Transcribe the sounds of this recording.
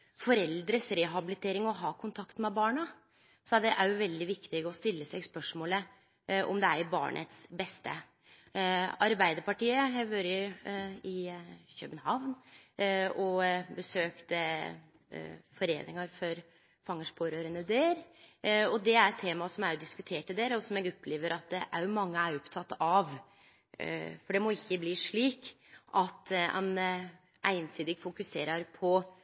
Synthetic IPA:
fɔɾɛld̪ɾəsɾɛɦɑbɪlɪt̪ʰeːɾɪŋɔɦɑːkʰʊnt̪ʰɑkt̪mɛbɑːɳɑ | sɔd̪ɛʔæɾjʊʋɛld̪ɪʋɪkt̪ɪɡəɔst̪ɪlːəsɛɡspœʂmoːlə | ʔɔ̰md̪ɛæɾbɑ̰ːɳʔə̰t̪sbɛst̪ə | ɑɾbæɪd̪əɾpɑʈiːəɦɛʋøɾ | ɪçœ̰ːbənhɑʋn | ɔbəsøːkt̪ | fɔɾḛːnɪ̰ŋɑɾfɔɾ | fɑŋːəʂpʰoːɾøːɾənəd̪eːɾ | ɔd̪ɛæɾɛt̪ʰːeːmɑsɔmæɾjʊd̪ɪskʉt̪ʰeːʈɪd̪eːɾəɔsɔmɛɡɔpʰːleːʋəɾʔɑt̪̚d̪ɛʔæ̰ɾjʊmɑŋːəæɾɔpt̪ʰɑt̪ːɑʋ | fɔɖɛmɔɪçːəbliːʂɭiːk | ʔɑt̪ːɛ̰n | ʔæ̰ɪnsiːd̪ɪɡfʊkʉseːɾɑɾpʰɔ

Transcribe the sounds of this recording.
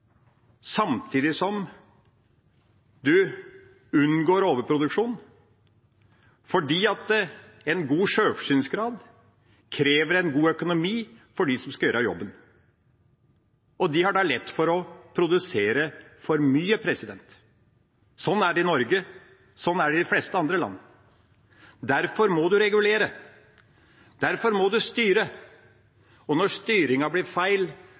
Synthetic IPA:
sɑmt̪ʰiːd̪ɪsɔm | d̪ʉ | ʉnːɡoːɾoːʋəpʰɾʊd̪ʉkʂuːn | fɔɖiːɑt̪̚d̪ɛ | ɛnɡuːʂøːfʂyːnsɡɾɑːd̪ | kʰɾeːʋəɾɛnɡuːœkʊnʊmiː | fɔɖisɔmskɑjøːɾəjɔ̰bːən | ʔɔd̪ɪhɑɖɑlɛt̪ːfɔɾɔpʰɾʊd̪ʉseːɾəfɔɾmyːəpʰɾɛsɪd̪ɛnt̪ | sɔnːæɖɛɪnɔɾɡə | sɔnːæɖɛd̪ɪflɛst̪əɑnd̪ɾəlɑ̰nːə | d̪æɾfɔɾmɔd̪ʉɾɛɡʉleːɾə | d̪̥æɾfɔɾmɔd̪ʉst̪yːɾə | ɔnɔʂt̪yːɾɪŋɑblɪɾfæɪl

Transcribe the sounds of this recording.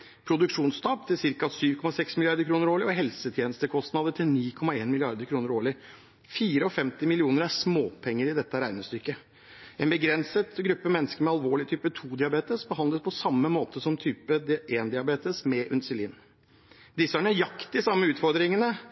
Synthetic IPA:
pʰɾʊd̪ʉkʂuːnst̪ɑːp̚t̪ʰːɪlsɪɾkɑsyːʋkʰɔmɑsɛksmɪlɪɑɾd̪əɾkʰɾuːnəɾoːɭɪɔɦɛlsət̪ʰjeːnəst̪əkʰɔst̪nɑd̪əʈʰɪlniːkʰɔmɑeːnmɪlɪɑɾd̪əɾkʰɾuːnəɾoːɭɪ | fiːɾəɔfɛmt̪ɪmɪlɪuːnəɾæʂmoːpʰɛŋːəɾɪd̪ɛt̪ːəɾæɪnəst̪ʏkːə | ɛnbəɡɾɛnsət̪ɡɾʉpːəmɛnːəskəɾmɛɑlʋoːɭɪt̪ʰyːpət̪ʰuːd̪ɪɑbeːt̪əsbəɦɑnd̪ləspʰɔsɑmːəmoːt̪ʰəsɔmt̪ʰyːpəd̪eːnd̪ɪɑbeːt̪əsmɛʔʉnsɪlḭːn | d̪ɪsæɳəæɾjɑkt̪ɪsɑmːəʉːt̪fɔɾd̪ɾɪŋənə

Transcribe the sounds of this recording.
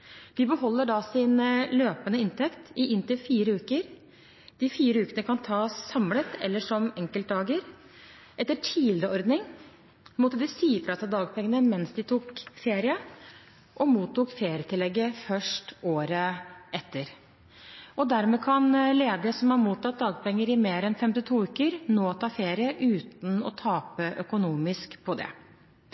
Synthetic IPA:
d̪ɪbəhɔlːəɖɑsɪnløːpənəɪnt̪ʰɛkt̪ɪʔɪnt̪ɪlfiːɾəʉːkəɾ | d̪̥ɪfiːɾəʉːkənəkʰɑnt̪ʰɑːsːɑmlət̪ʰɛ̰lːəʂɔmɛŋkəlt̪̚d̪ɑːɡəɾ | ʔɛt̪ːəʈʰiːlɾəɔɾd̪nɪŋ | mɔt̪ːəd̪ɪsiːfɾɑt̪ʰɪld̪ɑːɡpʰɛŋːənəmɛnsd̪ɪt̪ʰuːkfeːɾɪə | ʔɔmuːt̪ʰːuːkfeːɾɪət̪ɪlːɛɡːəfœʂʈoːɾəɛt̪ːəɾ | ɔd̪æɾmɛːkʰɑnleːd̪əsɔmhɑɾmuːt̪ʰːɑt̪̚d̪ɑːɡ̚pʰɛŋːəɾɪmeːɾɛnfɛmt̪ɪt̪ʰuːʉːkəɾnoːt̪ʰɑːfeːɾɪəʔʉːt̪n̩ɔ̰t̪ʰɑːpəʔœkʊnuːmɪskpʰɔd̪ɛ̰

